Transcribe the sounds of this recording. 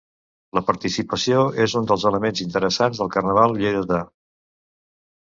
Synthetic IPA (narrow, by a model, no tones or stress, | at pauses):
ləpəɾt̪isipəsioezund̪əlˠzələmenzint̪əɾəsanzðəlˠkərnəβ̞alˠʎejðəðə